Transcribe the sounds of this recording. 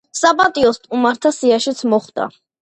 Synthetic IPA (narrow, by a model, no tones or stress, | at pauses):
sapʼat̪ʼiɔst̪ʰʼumaɾt̪ʰasiaʃit̪sʰmɔχd̪a̰